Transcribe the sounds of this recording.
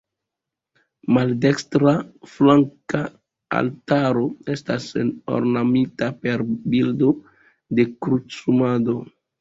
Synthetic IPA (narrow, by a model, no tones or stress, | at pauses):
malde̞kstɾaflaŋka | a̰ltaɾo̞e̞staseno̞̰ɾnamitape̞ɾbildo̞ | de̞kɾut͡sumado̞